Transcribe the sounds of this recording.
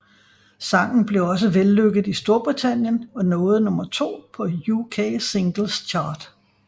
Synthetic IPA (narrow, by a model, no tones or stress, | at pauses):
sɑ̈ŋ̰n̩b̥le̝ɒ̽s̬əʋelːøɡ̥əð̩ˠisd̥o̝ɐb̥ʁit͡sʰæn̰jənɒ̽nɔ̽ːð̞̩ˠnɔ̽mɐt͡sʰo̝̰ːpʰɒ̽jukʰeːsiŋɡ̥l̩st͡ɕʰɑ̈ːd̥